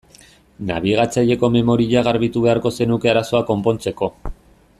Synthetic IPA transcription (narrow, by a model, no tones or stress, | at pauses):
na̰β̞iɣat͡saʎe̞ko̞me̞mo̞ɾiʎaɣaɾβit̪uβe̞aɾko̞se̞nuke̞aɾaso̞ako̞mpo̞nt͡se̞ko̞